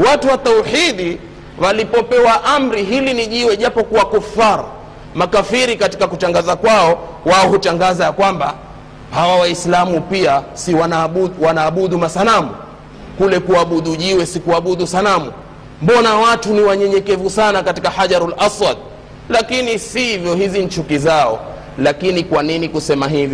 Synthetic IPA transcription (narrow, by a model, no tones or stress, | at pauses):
watuwatauħiɗi | walipɔpɛwaʔam̩ɾiɦiliniʄiwɛʄapɔkuwakufaɾa̰ | makafiɾikati̥kakutaŋɡazakwaɔwaɔhutaŋɡazajakwamba | hawawaislamupiasiwanawanaːɓuɗumasalamṵ | kulɛkuaɓuɗuʄiwɛsikuaɓuɗusanamu | mbɔnawatuniwaɲɛɲɛkɛvusanakatikahaʄaɾalʔaswad̚ | lakinisivjɔhiziɲt͡ʃukizaɔ̰ | lakinikwaninikusɛmaɦivjɔ